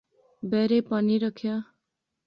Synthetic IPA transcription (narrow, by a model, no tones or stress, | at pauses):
beɾepʌniɾʌkʰjʌ